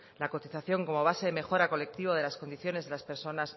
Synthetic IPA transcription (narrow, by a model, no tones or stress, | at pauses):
lako̞t̪iθaθjo̞ŋko̞mo̞β̞aseðe̞me̞xo̞ɾako̞le̞k̚t̪iβoðe̞lasko̞nd̪iθjo̞ne̞zðe̞laspe̞ɾso̞nas